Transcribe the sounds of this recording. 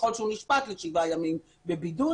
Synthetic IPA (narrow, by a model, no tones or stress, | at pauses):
olʃeuniʃpat̪leʃivajamim | be̞bidu